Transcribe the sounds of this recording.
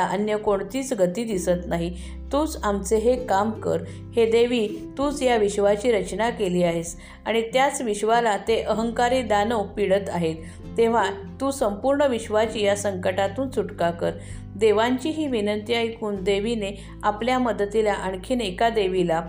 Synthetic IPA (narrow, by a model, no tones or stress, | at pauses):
aʔənjəkoɳt̪iːt͡sɡət̪iːd̪isət̪naɦi | t̪uːd͡zamt͡seɦekamkə̰ɾ | hed̪eʋit̪uːt͡sjaʋiɕʋat͡ɕiːɾət͡ɕnakeliːaɦes | aɽ̃it̪jat͡sʋiɕʋalat̪eʔəɦəŋkaɾiːd̪anəwpiɽət̪aɦet̪ː | ẽʋ̤at̪uːsəmpuɾɳəʋiɕʋat͡ɕiːjasəŋkəʈat̪uːnt͡suʈkakəɾ | d̪eʋaɲt͡ɕiːɦiːʋinənt̪iaɦikuːnd̪eʋine | apljaməd̪t̪ilaʔəɳkʰiːnekad̪eʋila